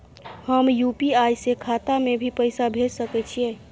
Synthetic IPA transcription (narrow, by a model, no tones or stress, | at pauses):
həmjupiajsekʰat̪amebʱipəɪsabʱed͡ʒsəkɛt͡ʃʰie